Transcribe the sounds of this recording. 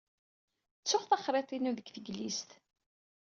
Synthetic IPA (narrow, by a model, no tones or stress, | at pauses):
t͡sːʊχθɑχɾˤet̪ˤinuðəɡθəɡlist̪